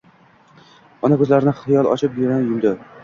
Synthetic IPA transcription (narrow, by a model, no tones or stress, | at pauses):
ɒnakʰɵzlaɾɪnɪχɪjɒlˠɒ̰t͡ʃʰɪpjʊɾanjʊmd̪ɪ